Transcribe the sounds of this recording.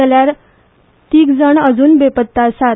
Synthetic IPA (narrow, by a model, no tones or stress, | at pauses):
ljaɾ | t̪iːkd͡zəɳəd͡zuːnbepət̪ːasa